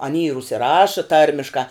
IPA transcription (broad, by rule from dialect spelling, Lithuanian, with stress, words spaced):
ɐˈnʲiː ɪr ʊʃʲsʲɪˈrɑːʃɐ ˈtɐrʲmʲɪʃkɑː